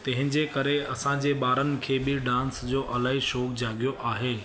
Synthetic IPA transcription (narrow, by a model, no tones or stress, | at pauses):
t̪ɐ̃ɦɪ̃ɲd͡ʑekɐɾeɐsãd͡ʑeːɓaːɾənɪ̆kʰeːbɪɖãːnsd͡ʑoːʔɐlaːɦiʃɔːkd͡ʑaːɠijoʔaːɦeː